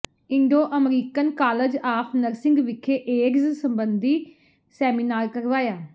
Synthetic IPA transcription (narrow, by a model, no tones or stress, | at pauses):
ɪɳɖoːʔəmɾiːkənkaːləd͡ʒaːpʰnəɾsɪ̃ŋɡʋɪkʰːeːʔeːɡzsəmbənd̪iː | sɛːminaːɾkəɾʋaːjaː